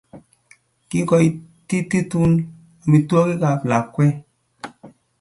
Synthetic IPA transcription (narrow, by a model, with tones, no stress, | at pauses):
ki˦kɔ˨i˦ti˦ti˦tu˦n | a˨mi˨twɔ˦ki˦ka˨pla˨kːwɛ˦